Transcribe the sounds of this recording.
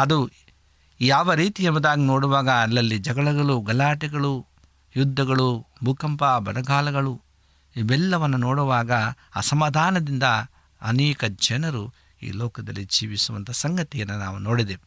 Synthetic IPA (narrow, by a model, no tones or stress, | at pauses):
ɐd̪u | jaːʋɐɾiːt̪iemɐd̪aːɡinoːɽuʋaːɡɐːlːɐlːid͡ʒɐɡɐɭɐɡɐɭuɡɐlaːʈiɡɐɭu | jud̪ʱːɐɡɐɭubʱukɐmpabɐnɐɡaːlɐɡɐɭu | ibɛlːɐʋɐnːunoːɽuʋaːɡɐa̰ːsɐmaːd̪ʱaːnɐd̪ind̪ɐ | ɐ̰nɛːkɐd͡ʒɐnɐɾu | ḭːlɔːkɐd̪ɐ̰lːid͡ʒiːʋisuʋɐnt̪ɐsɐŋɡɐt̪ijɐnːuna̰ːʋunoːɽid̪e